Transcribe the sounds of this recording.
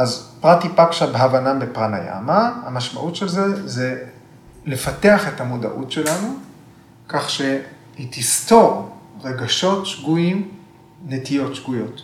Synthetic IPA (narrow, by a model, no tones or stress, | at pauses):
ʔazpʁat̪ipakʃabeɦavanambepʁana̰ja̰mahamaʃma̰ʔutʃe̞lzeze | lefateaχe̞tamoda̰ʔṵtʃe̞lanu | kaχʃe | hitist̪o̞ʁʁeɡaʃo̞tʃɡuim | netijo̞tʃɡujo̞t